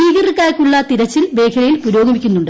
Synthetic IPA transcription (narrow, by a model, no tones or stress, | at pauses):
iːɡɐrikːaːjkʲːuɭːɐt̪iɾɐt͡ɕːilbe̞ːkʰjɐlɐjilpuɾo̞ːɡɐmikʲːunːuɳɖɨ